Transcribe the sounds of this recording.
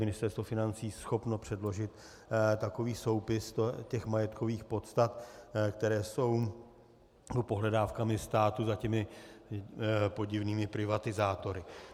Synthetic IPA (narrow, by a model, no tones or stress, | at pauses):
mɪnɪst̪ɛɾst̪vofɪnant͡siːsxo̞pno̞pr̥ɛdlo̞ʒɪt̪ | t̪ako̞viːso̞wpɪst̪cɛxmajɛt̪kʰo̞viːxpo̞t̪st̪at̪kt̪ɛɾɛːso̞w | opo̞ɦlɛdaːfkamɪst̪aːt̪uzacɛmɪ | po̞ɟɪvniːmɪpɾɪvat̪ɪzaːt̪o̞ɾɪ